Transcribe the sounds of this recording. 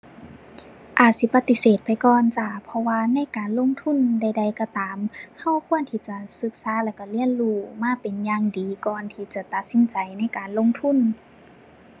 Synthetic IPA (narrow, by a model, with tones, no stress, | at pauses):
ʔaː˨˩t̪̚si˧˦pa˧t̪ːi˧seː˨˩t̪̚pa˨jkɔː˧nt͡ɕa˧˩pʰɔ˧waː˧na˧˥˨jkaː˨nlo˧˥˨ŋt̪ʰu˧˥˨nda˧˩jda˧˩jkɔ˧˩t̪aː˨mha˧˥˩wkʰu˧˥˨ənt̪ʰiː˧˩t͡ɕa˧sɯ˧˦k̚saː˧˦lɛː˧˩wka˧˩li˧˥˨ənluː˧˩maː˧˥˨pe˨njaː˧ŋdiː˨kɔː˨nt̪ʰiː˧t͡ɕa˧˩t̪a˧t̪̚si˧˦nt͡ɕa˨jna˧˥˨jkaː˨nlo˧˥˨ŋt̪ʰu˧˥˨n